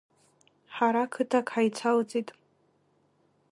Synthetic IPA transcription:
ħaɾakʰɨtʰakʰʼħajt͡sʰalt͡sʼitʼ

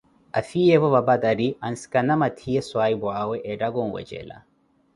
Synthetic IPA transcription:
ɐ̰fijebɐβɐbɐd̪ɐɾiɐnskɐnɐmɐt̪ʰijeswaːibuaːweʔeɖɐɡonwɐ̰t͡ʃḛla̰

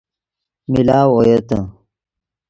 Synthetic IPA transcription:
milaːwojet̪ə

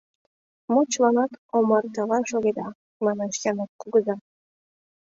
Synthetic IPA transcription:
mot͡ɕlɑnɑt̪omɑrt̪ɑβɑnʃoɣed̪ɑ | mɑnɑʃjɑnɑt̪̚kuɡəzɑ

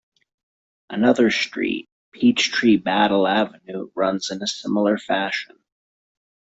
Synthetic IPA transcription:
ʔənʌðə˞stɹ̥ḭt̚pʰit͡ʃtʰɹ̥ibæɾl̩ˠævɨnʉɹʌ̃nzɨ̃nɨsɪ̃ml̩ˠə˞fæʃə̃n

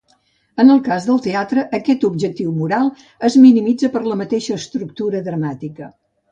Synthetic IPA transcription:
ənəlˠkazðəlˠt̪eat̪ɾəʔːkɛt̪ub̚ʒək̚t̪iwmuɾalˠ | əzminimid͡zəpəɾləmət̪eʃəːst̪ɾuk̚t̪uɾəðɾəmat̪ikə

